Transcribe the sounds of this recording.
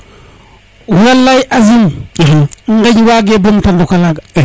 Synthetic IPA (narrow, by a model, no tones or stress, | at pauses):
walːajʔazim | ŋɡad͡ʒiwaɡebomtandokalaɡ